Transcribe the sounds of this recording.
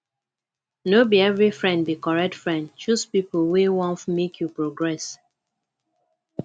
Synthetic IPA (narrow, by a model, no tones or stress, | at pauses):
nobiɛvɹifɹɛ̃nd̚bikɔɹɛk̚tfɹɛ̃nd̚t͡ʃuspipolwewɔ̃nfmekʰjupɹɔɡɹɛs